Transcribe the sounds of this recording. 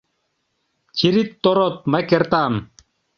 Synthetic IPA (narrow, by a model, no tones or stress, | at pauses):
t͡ɕʰiɾit̪ːoɾot̪̚mɐkeɾt̪aːm